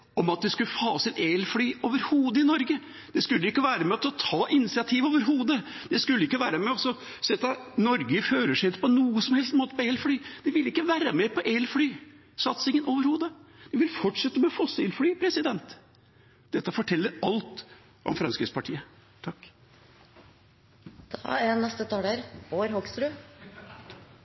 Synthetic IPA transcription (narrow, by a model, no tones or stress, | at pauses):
ɔmɑt̪̚d̪ɛskʉlfɑːsɪt̪eːlfɽyːʔoːʋəɾhuːd̪əɪnɔɾɡə | d̪̥ɛskʉlːəɪkːəʋæːɾəmɛɑt̪ɔt̪ʰɑːʔɪnɪsɪɑt̪ʰiːʋoːʋəɾɦuːd̪əd̪̥ɛskʉlːəɪkːəʋæːɾəmɛɔsɔ | sɛt̪ːɑnɔɾɡəføːɾəʂɛɪt̪ːəpɔnuːəsɔmhɛlst̪moːt̪əpɔeːlfɽyːd̪̥ɛʋɪlːəɪkːəʋæːɾəmɛpɔʔeːlfɽyː | sɑt̪sɪŋənoːʋəɾhuːd̪əd̪̥ɪʋɪlfɔʈʂɛt̪ːəmɛɔfɔsɪlfɽyːpʰɾɛsɪd̪ɛnt̪ | d̪̥ɛt̪ːəfɔʈʰɛlːəɾɑlt̪ | ʔɔ̰mfɾɑnskɾɪ̰kspɑʈʰiːət̪ʰɑkː | d̪̥ɑænɛst̪ət̪ʰɑːd̪æɾboːɾhɔɡst̪ɾʉː